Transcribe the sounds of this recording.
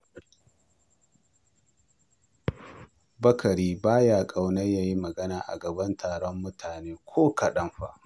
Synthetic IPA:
bɐ˦kɐ˨ɽiː˦baː˦jaː˨kʼa˨wnɐ˦ja˦ji˦mɐ˨ɡɐ˦naː˨ʔa̰˨ɡɐ˨bɐ˦ntʰaː˨ɽɔ˦mːʊ˦tʰaː˨neː˦kʷʰoː˦kɐ˨ɗɐ˦mɸa̰˦ʔ

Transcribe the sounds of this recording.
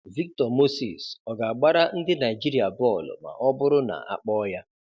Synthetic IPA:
vi˦k̚tɔ˨mo˦sḭ˨sɔ˨ɡa˨a˨ɡ͡ba˦ɾa˦n̩˦dɪ˦na˨i˨d͡ʒi˦ɾi˦a˨bɔ˦˨l̰ma̰˨ʔɔ˦bʊ˦ɾʊ˦na̰˨ʔa̰˦k͡pɔ˦ja˦

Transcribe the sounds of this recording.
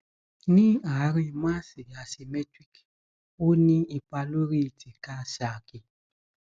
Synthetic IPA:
nĩ˦a˨˦ɾĩ˦˨mã˦si˨a˨si˨˧mɛ˦tɾi˦k | o˦nĩ˦i˧pa˧lo˦ɾi˦˨ti˨ka˦˨sa˨ki˧˨

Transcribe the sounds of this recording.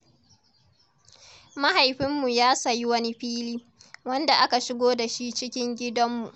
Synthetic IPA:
ma˦ha˨jɸɪ˦mːu˨jaː˦sa˨ji˦wɐ˦ni˦ɸiː˦liː˦ | wɐ˦nda˨ʔa˦ka˨ʃɪ˦ɡʷoː˦da˨ʃi˦t͡ʃɪ˦kʲɪ˦ŋɡʲɪ˦dɐ˦mːu˨ʔ

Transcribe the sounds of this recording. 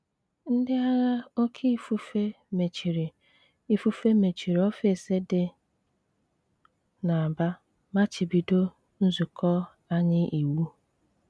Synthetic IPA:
n̩˦dɪ˦a˦ɣa˦o˦kʰi˦fu˦fe˦ | me˨t͡ʃi˨ɾi˨ | i˦fu˦fe˦me˨t͡ʃi˨ɾe˨ɔ˦fe˨se˦dɪ˨ | na˨ba˦ | ma˦t͡ʃi˨bi˨do˦ | n̩˦zu˨kɔ˦ | a˦ɲɪ˦ʔi˨wu˦

